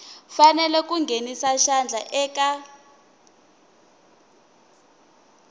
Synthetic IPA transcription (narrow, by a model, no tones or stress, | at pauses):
fanɛlɛk̬uŋɡʱenisaʃand͡ɮʱaʔɛːka